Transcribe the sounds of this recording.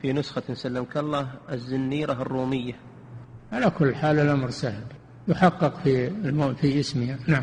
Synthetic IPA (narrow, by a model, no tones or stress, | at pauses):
finʊsxansalːɪmkalˤːɑːɦɪzːɪnːiːɾaɦɪrˤːuːmɪjːa | ʕalakʊlːħaːlɪlʔamɾsahl | jʊħɑqːɨqfimfiʔɪsmɪhanaʕam